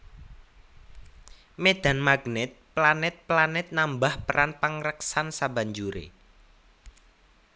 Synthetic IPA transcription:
med̪̥a̤nmaɡnɪt̪̚planɪt̪̚planɪt̪̚nambahpəɾʔanpəŋɾəksansaba̤ɲd͡ʒuɾḛ

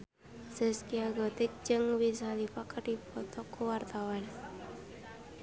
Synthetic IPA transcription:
səskiaɡɔt̪ik̚d͡ʒɨŋwisalifakəʈipɔt̪ɔkuwart̪awan

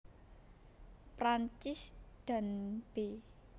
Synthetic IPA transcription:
pɾant͡ʃɪsd̪̥a̤nb̥e

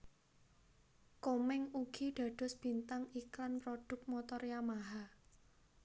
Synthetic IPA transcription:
komɪŋuɡ̥i̤ɖ̥ä̤ɖ̪̥ɔ̤sb̥i̤nt̪aŋiklanpɾoɖ̥ʊ̤k̚t̪̚mɔt̪ɔɾjamaɦa

